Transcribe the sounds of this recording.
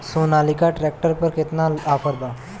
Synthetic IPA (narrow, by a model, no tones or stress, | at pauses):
sonalikaʈɾɛk̚ʈəɾpəɾket̪naapʰəɾd̪a